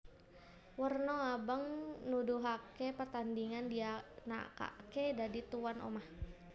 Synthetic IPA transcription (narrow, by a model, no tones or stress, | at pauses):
wərnɔabəŋnuduɦakepərt̪andiŋandiana̰ka̰kedadit̪uwanʔo̰mah